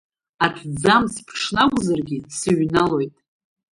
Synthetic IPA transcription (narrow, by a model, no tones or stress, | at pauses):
atʰd͡zamspʰʂnaɡʷʼʊzarɡʲɪsɨɥnalo̞jtʼ